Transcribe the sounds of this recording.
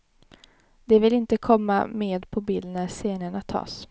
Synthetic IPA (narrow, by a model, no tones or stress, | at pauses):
d̪ɛvɪlɪnt̪əkʰɔmːa̰meːd̪pʰɔbiːlnæɾseːnəɳat̪ʰɑ̰ːs